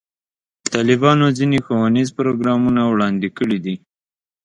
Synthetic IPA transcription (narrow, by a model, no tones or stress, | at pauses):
ət̪ɑlɪbɑnozinexowanizpʊɾoɡɾɑmunawɽɑnd̪ikəɽid̪i